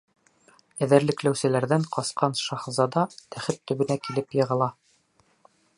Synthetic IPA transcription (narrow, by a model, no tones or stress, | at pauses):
æðɘ̆ɾlɘ̆klæwsɘ̆læɾðæɴqɑsqɑnʃɑχzɑd̪ɑt̪ʰæχɘp̚t̪ɵ̆βɘ̆nækilɘpjɤ̆ʁɤ̆lˠɑ